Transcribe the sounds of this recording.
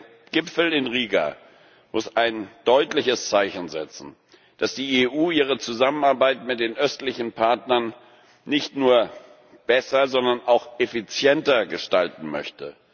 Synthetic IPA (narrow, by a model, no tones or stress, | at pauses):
ɡ̥ɪpfl̩ɪnʁiːɡa̰ | mʊsaɪnd̥ɔʏtlɪçəst͡saɪçn̩zɛt͡sn̩ | d̥asd̥iːeːʔuːiːʁ̞ət͡suzamənaɐbaɪtmɪt̚d̥eːnʔœstlɪçn̩pʰaɐtnɐn | nɪçtnuːɐ | b̥ɛsɐzɔndɐnʔaʊxʔefit͡sjɛntɐɡəʃtaltn̩mœ̰çtə